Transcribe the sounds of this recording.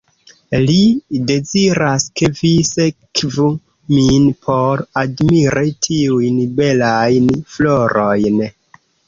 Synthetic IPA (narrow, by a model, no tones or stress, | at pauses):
lide̞ziɾaskevisekvu | minpʰoɾadmiɾitʰiujnbe̞lajnfloɾʔojn